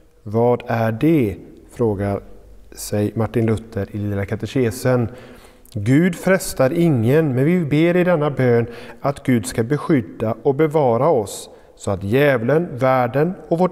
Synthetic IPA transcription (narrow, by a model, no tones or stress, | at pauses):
vɑːd̪æɖɛfɾoːɡaɾsɛjmaʈːɪnlɵt̪ʰːəɾɪliːlakʰat̪ɛɕeːsən | ɡʉ̟ːd̪fɾɛst̪aɾɪŋːənmɛnvɪbeːɾɪd̪ɛnːabøːnat̪ɡʉ̟ːd̪skabɛɧʏd̪ːaʔɔbɛvɑːɾaɔsː | ɔat̪jɛːvlənvæːɖənɔkvo